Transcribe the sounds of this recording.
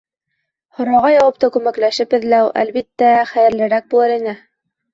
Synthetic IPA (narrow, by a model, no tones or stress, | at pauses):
hŏɾɑʁɑjɑwɤp̚t̪ɑkʉmæklæʃɘpɘ̆ðlæwʔæ̰lβit̪ːæχæjɘ̆ɾlɘ̆ɾæk̚bulˠɤɾinɘ